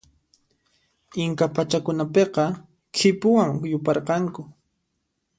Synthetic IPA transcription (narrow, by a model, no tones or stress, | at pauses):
ɪŋkapat͡ʃakʊnapeqɑ | kʰɪpʊwaŋjʊpɑɾqɑŋkʊ